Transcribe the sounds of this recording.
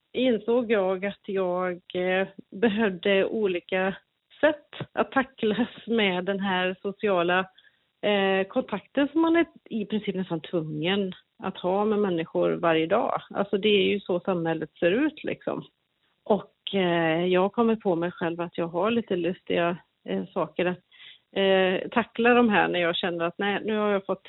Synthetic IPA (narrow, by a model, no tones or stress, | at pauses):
ɪnsoːɡjɑːɡat̪jɑːɡ | bɛɦœvd̪əuːliːka | sɛt̪ːa̰t̪ʰːaklasmɛːd̪ːɛnɦæːɾsʊsɪɑːla | kʰɔnt̪ʰakt̪ənsɔmːanæɪpʰɾɪnsiːpnɛst̪ant̪ʰvɵŋːən | a̰t̪hɑːmɛmɛnːɪɧʊɾvaɾjəd̪ɑ̰ːʔa̰lsɔd̪ɛæɾjɵsɔsamhɛlːət̪seːɾʉ̟ːt̪ʰlʔɪ̰ksɔ̰m | ʔɔk | jɑːɡ̚kʰɔmːəɾpʰɔmɛjɧɛlvat̪jɑːɡɦaɭiːt̪əlɵst̪ɪɡa | sɑːkəɾat̪ | t̪ʰakːladɔmɦæ̰ːɳæɾjɑːɡɕɛnːəɾat̪nɛɪnʉ̟ːhaɾjɑːfɔt̪ː